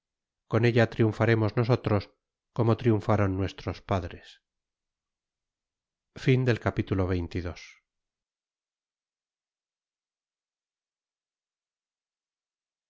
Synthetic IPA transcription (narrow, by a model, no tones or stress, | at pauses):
ko̞ne̞ʎat̪ɾiuɱfaɾe̞mo̞zno̞s̬o̞t̪ɾo̞s | ko̞mo̞t̪ɾiuɱfaɾonːwe̞st̪ɾo̞spaðɾes | find̪e̞lkapit̪ulo̞β̞e̞jnt̪iðo̞s